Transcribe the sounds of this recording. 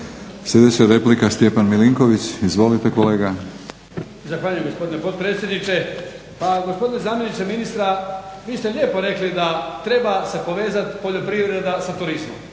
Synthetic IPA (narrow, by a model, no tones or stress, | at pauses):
sjʲed̪et͡ɕaɾe̞plikast̪jepanmiliŋko̞ʋit͡ɕizʋo̞lit̪e̞ko̞le̞ːɡa | zaxʋaːʎujemɡo̞spo̞d̪inepo̞t̪̚pɾe̞ːt̪sjed̪nit͡ʃe̞ | paɡo̞spo̞d̪inezaːmje̞nit͡ʃeminist̪ɾaʋiːst̪e̞ʎʲjeːpo̞ɾe̞klid̪at̪ɾe̞basepo̞ʋe̞ːzat̪po̞ʎo̞pɾiʋɾe̞d̪asat̪uɾizmo̰m